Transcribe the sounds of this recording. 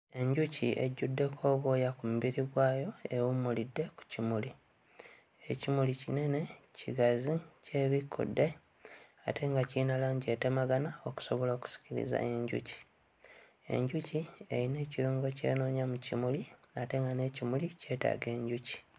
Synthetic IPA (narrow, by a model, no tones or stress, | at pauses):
e̞ɲɟuciʔḛɟːudːe̞kʰo̞ːβo̞jakumuβiɾiɡwaːjo̞e̞wumulidːe̞ku̥cimuli | ecimulicine̞ne̞ciɡazice̞βikʰːṵdːe̞ | a̰te̞ŋɡacinalaːɲɟe̞te̞maɡanao̞ku̥so̞βoloːku̥si̥ciɾḭza̰e̞ɲɟṵci̥ | e̞̰ɲɟucie̞̰jine̞ːciɾuːŋɡo̞ce̞̰ːno̞ːɲamucimuliate̞ŋɡane̞ːcimulice̞ːta̰ɡe̞ːɲɟuci̥